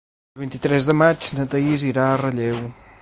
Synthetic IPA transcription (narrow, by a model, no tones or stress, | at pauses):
əlˠβint̪it̪ɾɛzðəmad͡ʒnət̪əiziɾaərəʎew